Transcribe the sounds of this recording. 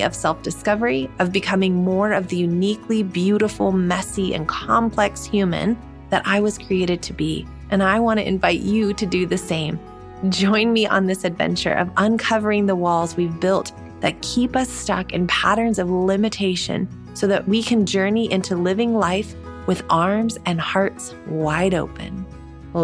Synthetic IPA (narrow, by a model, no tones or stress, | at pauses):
ʌ̰v̥sɛlˠfd̥ɨskʌvə˞iʌvbɨkʰʌmɪ̃ŋmɔɹʌvðɨjʉnikʰlibjʉɾəfl̩ˠmɛsiʔɨ̰̃nkʰɑ̃mpʰl̥ɛkshjʉmɨ̰̃n | ðɨɾʔaɪwʌz̥kʰɹ̥ieɪɾɨd̚tʰɨbi | ʔɨ̃naɪwɑ̃ɾ̃ɨ̰ɨ̰̃ɱvaɪt͡ʃɨɾɨdɨðɨsẽɪ̃m | d͡ʒɔ̃ɪ̃nmiʔə̰̃nðɪsɨdvɛ̰̃nt͡ʃə̰˞ʔʌ̰və̃nkʰʌvə˞ɪ̃ŋðəwɔlˠzwivbɪlˠt̪̚ | ðɨt̚kʰipʌstʌ̰kɨ̰̃npʰæɾə̃˞nzʌvlɪ̃mɨtʰeɪʃɨ̰̃n | soʊðɨʔwikʰɨ̃nd͡ʒɜ˞niʔɪ̃ntʰʉlɪvɪ̃ŋlaɪf | wɨðɑɹmzɨ̃nhɑɹts | waɪɾoʊpɨ̰̃n